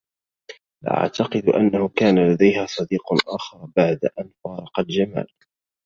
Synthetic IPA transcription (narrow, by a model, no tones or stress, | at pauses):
l̰ʔa̰ʕt̪ɑqɨd̪ʔa̰nːahʊkaːnalad̪ajhaːsˤɑd̪iːqʔaːxɑɾˤbaʕd̪aʔanfɑːɾˤɑqɑld͡ʒama̰ːl